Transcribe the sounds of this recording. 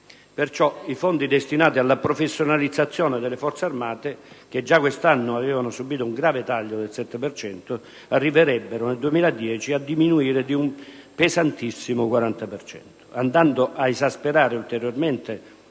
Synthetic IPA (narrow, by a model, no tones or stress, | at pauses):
pert͡ʃɔifond̪id̪est̪inaːt̪ialːapɾofesːjonalid̪zːat̪sːjɔːnɪd̪elːefɔrt̪searmaːt̪e | ked͡ʒːakwest̪anːʊavɛːvanʊsubiːt̪ʊuŋɡɾaːvet̪aʎːod̪elsɛt̪ːepert͡ʃɛnt̪ʊ | arːiveɾɛbːeɾʊneld̪uemiːlad̪jɛːt͡ʃiad̪ːiminuiːɾed̪ium | pezant̪isːimʊkwaɾant̪apert͡ʃɛ̰nt̪ʊ̥and̪and̪ʊʔaezaspeɾaːɾɪult̪eɾjorment̪e